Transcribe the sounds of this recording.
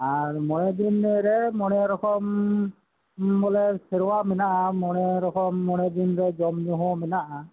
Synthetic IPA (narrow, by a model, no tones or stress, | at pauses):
aɹmɔnɛdinɾɛmɔnɛɾɔkʰɔm | bɔlɛseɹɔwamɛnaʔamɔnɛɾɔkʰɔmːɔnɛdinɹɛzɔmnuɦɔmɛnaʔa